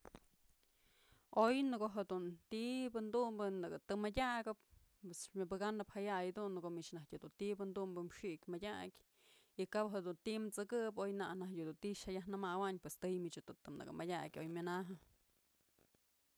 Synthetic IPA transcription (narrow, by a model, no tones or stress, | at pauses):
ojnɨɡoɦed̪unt̪ibɨnd̪umbɨnɨɡɨt̪ɨmadʲaɡɨp̚ | pwesmʲɨbɨɡanɨphajajd̪unɨkoʔmit͡ʃnahjud̪unt̪ibɨnd̪umbɨmʂikʲmadʲakʲ | ikapɦed̪unt̪imt͡sɨkɨpojnanahjud̪unt̪iʃajaɦnɨmawaɲpwest̪ɨjmit͡ʃhed̪unt̪ɨmnɨ̰ɡɨ̰madʲakʲojmʲɨnaɦɨ